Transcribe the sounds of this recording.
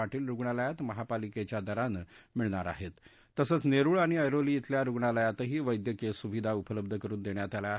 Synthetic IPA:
aʈiːlɾuɡɳaləjat̪məɦapaliket͡ɕjad̪əɾanmiɭɳaɾa̰ɦet̪ː | əsəːt͡sneɾuːɭaɽ̃iəjɾoliːt̪ljaɾuɡɳaləjat̪ɦiːʋəjd̪jəkesuʋid̪ʱaupələb̚d̪ʱəkəɾuːnd̪eɳjat̪alja

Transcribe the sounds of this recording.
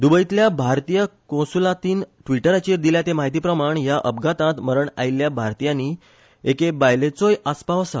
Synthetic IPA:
d̪ubəit̪ljabʱaɾt̪ijəkõwsulat̪iːnʈʋiʈəɾat͡ɕiɾd̪iljat̪emaɦit̪̬iːpɾəmaɳjaʔəbɡat̪ãt̪məɾəɳa̰ilːjabʱaɾt̪ijani | ekebajlet͡sojaspaʋəsa̰

